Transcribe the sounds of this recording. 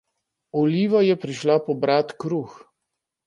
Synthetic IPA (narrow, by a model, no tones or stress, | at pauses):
ɔliːʋajɛpɾiʃlapɔbɾat̪kɾux